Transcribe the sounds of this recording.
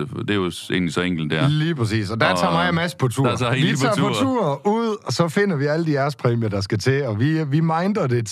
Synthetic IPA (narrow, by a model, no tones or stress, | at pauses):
d̥e̝joe̝̰ːnlisɒeŋ̰ɡ̥l̩d̥dæɐ̰liːpʰʁɐs̬ḭːsɒ̽d̥æt͡sʰɑ̰̈mɑ̈ɪjamæsə̥pʰɒ̽t͡sʰṵɐ̰ʋit͡sʰɑ̈ːpɒt͡sʰṵːɐuð̰ˠsɒ̽fe̝n̰ɐʋiæləd̥iæɐspʰʁɛːmijɐd̥ɑ̈s̬ɡ̥æt͡sʰe̝lɒ̽ʋiʋimɑ̈ɪnd̥ɐd̥e̝